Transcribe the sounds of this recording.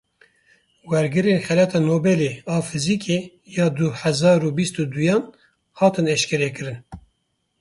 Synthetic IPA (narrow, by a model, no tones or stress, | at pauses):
wɛɾɡɨɾeːnxɛlɛt̪ʰɑːnoːbɛleːɑːfɨziːkʰe | jɑːd̪uħɛzɑːɾuːbist̪ud̪ujɑːn | hɑːt̪ɨnɛʃkɛɾɛkɨɾɨn